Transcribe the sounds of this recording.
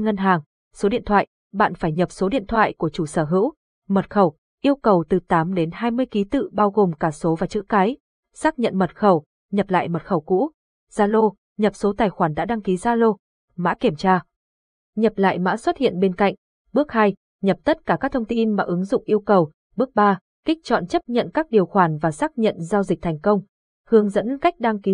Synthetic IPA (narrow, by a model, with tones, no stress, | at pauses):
ŋə˧nɦaː˨˩ŋ | so˨˦ɗḭ˧ənt̪ʰwa̰ː˧˨j | ɓa̰ː˧˨nfaː˧˩jɲə˨˩p̚so˨˦ɗḭ˧˨ənt̪ʰwa̰ː˧˨jku˧˩ət͡ɕu˧˩səː˧˩ɦɨ̰˧˥w | mə˨˩t̚xə˧˩w | ʔi˧əwkə˨˩wt̪ɨ˨˩t̪aː˨˦mɗe˨˦nhaː˧jmɨ˧əjki˨˦t̪ɨ̰˧˨ɓaː˧wɣo˨˩mkaː˧˩so˨˦vaː˨˩t͡ɕɨ̰˧˥kaː˨˦j | saː˦˥k̚ɲə̰˧˨nmə˨˩t̚xə˧˩w | ɲə˨˩p̚la̰ː˧˨jmə˨˩t̚xə˧˩wkṵ˧˥ | z̥aː˧lo˧ | ɲə˨˩p̚so˨˦t̪aː˨˩jxwaː˧˩nɗa̰ː˧˥ɗa˧ŋki˨˦zaː˧lo˧ | ma̰ː˧˥ki˧˩əmt͡ɕaː˧ | ɲə˨˩p̚la̰ː˧˨jma̰ː˧˥swə˦˥t̚hḭ˧˨ənɓe˧nka̰˧˨jŋ̟ | ɓɨ˦˥ək̚ha˧j | ɲə˨˩p̚t̪ə˦˥t̚kaː˧˩kaː˦˥t̪ʰə˧wŋ͡mt̪i˧nmaː˨˩ʔɨ˨˦ŋzʊ̰˧˨ŋ͡mʔi˧əwkə˨˩w | ɓɨ˦˥ək̚ɓaː˧ | kï˦˥k̟̚t͡ɕɔ̰˧˨nt͡ɕə˦˥p̚ɲə̰˧˨nkaː˦˥k̚ɗi˨˩əwxwaː˧˩nvaː˨˩saː˦˥k̚ɲə̰˧˨nzaː˧wzi̟˨˩t̪ʰɛ˨˩jŋ̟kə˧wŋ͡m | hɨ˨˦əŋzə̰˧˥nka˦˥jk̟̚ɗa˧ŋki˨˦